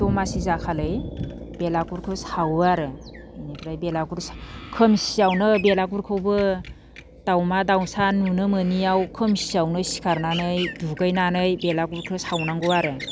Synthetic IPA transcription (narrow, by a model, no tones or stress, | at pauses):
ɔmasizakʰalɯj | belaɡuɾkʰɯsawaɾɯnikʰɾajbelaɡuɾskʰɯmsiawnɯbelaɡuɾkʰɯwbɯ | d̥awmadawsanunɯmɯniawkʰɯmsiawnɯsi̥kʰaɾnanɯjduɡajnanɯjbelaɡuɾkʰɯsawnaŋɡuwaɾɯ